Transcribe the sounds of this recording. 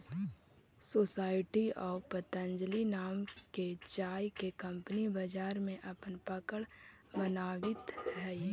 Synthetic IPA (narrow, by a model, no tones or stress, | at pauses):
soːsaːɪʈiɔːpət̪ə̃nd͡ʒlinaːmket͡ʃaːjkekɐ̃mpnibəd͡ʒaːɾmẽʔɐpənpəkəɽ | bənaːʋɪt̪ɦɛ